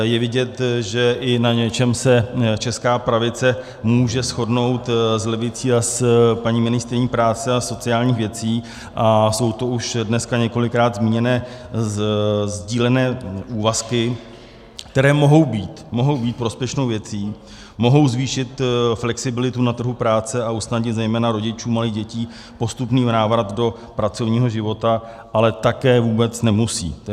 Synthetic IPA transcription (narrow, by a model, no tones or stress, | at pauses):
jɛvɪɟɛt̪ʒɛʔɪnaɲɛt͡ʃɛmsɛt͡ʃɛskaːpɾavɪt͡sɛ | muːʒɛsxo̞dno̞wt̪zlɛvɪt͡siːaspaɲiːmɪnɪst̪ɾɪɲiːpɾaːt͡sɛaso̞t͡sɪaːlɲiːxvjɛt͡siː | ʔaso̞wt̪o̞ʔuʃdnɛskaɲɛko̞lɪkɾaːd̪zmiːɲɛnɛː | zɟiːlɛnɛːʔuːvaskɪ | kt̪ɛɾɛːmo̞ɦo̞wbiːt̪mo̞ɦo̞wbiːt̪̚pɾo̞spjɛʃnowvjɛt͡siː | mo̞ɦo̞wzviːʃɪt̪flɛksɪbɪlɪt̪unat̪r̩ɦupɾaːt͡sɛaʔusnaɟɲɪt̪zɛjmɛːnaɾo̞ɟɪt͡ʃuːmaliːɣɟɛciː | po̞st̪upniːnaːvɾat̪do̞ | pɾat͡so̞vɲiːɦo̞ʒɪvo̞t̪a | ʔalɛt̪akɛːvuːbɛt͡snɛmusḭː